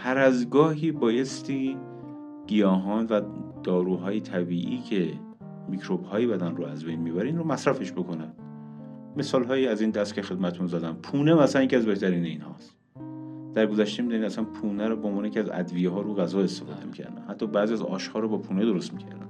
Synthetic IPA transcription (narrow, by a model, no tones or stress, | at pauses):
hʰæɾæzɡɒːɦiːbɒːje̞st̪ʰiː | ɡ̥ijɒːɦɒːnvæd̪̥ɒːɾuːɦɒːjet̪ʰæbiːʔḭːcʰe̞ | micʰɾob̥hɒːjebæd̪ænroæzbejnmiːbæɾiinɾomæsɾæfe̞ʃbo̞kʰo̞næn | me̞sɒːlɦɒːjiæziːnd̪æst̪cʰexe̞d̪mæt̪et̪ʰunzæd̪ænpʰuːnemæsænjecʰʲiæzbe̞ht̪ʰæɾiːneinhɒ̰ːst̪ | d̪̥æɾɡo̞zæʃt̪emiːd̪unid̪æsænpʰuːnæɾɔːbeonvɒːnejecʰʲiæzæ̰d̪vijeɦɒːɾuɣæzɒːest̪e̞fɒːd̪emicʰæ̰ɾd̪æ̰nhæt̪ʰːɒːbæzijæzɒ̰ːʃhɒːɾɔbɒːpʰuːned̪o̞ɾost̪micʰæ̰ɾd̪æ̰n